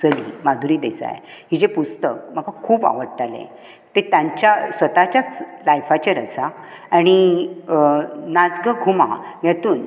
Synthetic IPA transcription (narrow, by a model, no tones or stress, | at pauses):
t͡səlḭmad̪ʱuɾiːd̪esa̰jɦid͡ʑepust̪ək̚m̤əɡakʰuːba̰ʋəɽʈalḛ̃ | t̪et̪jãɲt͡ɕjasʋət̪at͡ɕjat͡slajfat͡ɕaɾəsa | añi | nad͡zɡəɡʱuma̰jat̪uːn